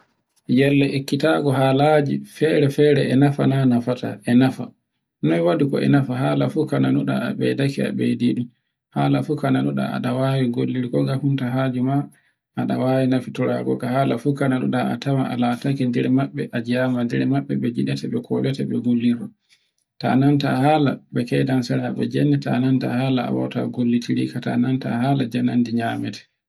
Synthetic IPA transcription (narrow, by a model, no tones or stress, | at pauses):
jɛlːɛʔekːitaɡɔhaːlad͡ʒifɛɾɛfɛːɾɛɛnafananafata̰ʔɛnafa̰ | nɔwadikɔ̰ɛ̰nafaɦaːlafukananuɗa̰a̰ɓɛ̰dakia̰ɓediɗu | haːlafukananuɗa̰a̰ɗawaːwiɡolːiɾikɔɡahuntaɦad͡ʒuma | ʔaɗawawinafituɾa̰ɡɔ̰kahaːlafukananṵɗaatawaʔalatakindɛɾɛmaɓːɛʔad͡ʒamandɛɾɛmaɓːɛɓɛd͡ʒiɗɛtɛɓɛkʰɔlɛtɛɓɛɡolːiɾɔ | ta̰nantahaːlabɛkɛjdansɛɾaɓɛd͡ʒɛnːɛtananta̰haːlaa̰wɔ̰wta̰ɡolːitʰiɾikata̰nantahaːlad͡ʒanandiɲaːmɛtɛ̥